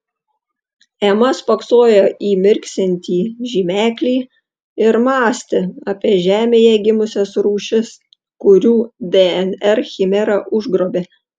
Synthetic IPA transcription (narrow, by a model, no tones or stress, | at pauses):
ɛmɐspɐksoːjoːʔiːmʲɪɾʲksʲɛnʲt̪ʲiːʒʲiːmʲæːkʲlʲiː | ɪɾmɑːsʲt̪ʲɪɑpʲiɛʒʲæːmʲeːjɛɡʲɪmʊsʲɛsɾuːʃʲɪs | kʊɾʲuːd̪ʲeɛnɛɾxʲɪmʲɛɾɐʔʊʒɡɾoːbʲe